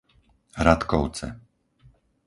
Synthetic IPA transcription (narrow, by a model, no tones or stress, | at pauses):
ɾat̪kɔʊt͡sɛ̰